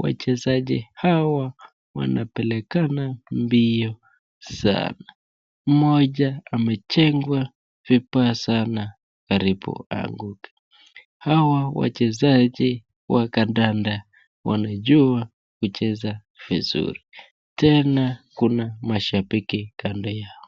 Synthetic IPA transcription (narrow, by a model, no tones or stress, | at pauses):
wa̰t͡ʃɛzaʄihawa | wa̰napɛlɛkanambiɔ | sa̰na | m̩mɔʄaamɛt͡ʃɛŋɡwa | vipasana | kaɾipʰɔ̰a̰ŋɡukɛ̥ | hawawa̰t͡ʃɛzaʄi | wakandanda | wʔa̰naʄua | kut͡ʃɛza | v̥izṵɾi | tɛnakunamaʃabikikandɔjaɔ